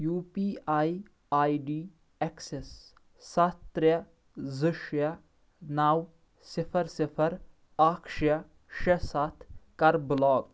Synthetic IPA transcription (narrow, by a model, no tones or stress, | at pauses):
juːpiːaːi | aːiɖiː | eksesː | ɐt̪ɾjɐ | zɨʃjɐ | naːw | sɪfʰɐɾsɪpʰɐɾ | aːkʃjɐ | ʃɐsɐt̪ʰkɐɾblɔːɡ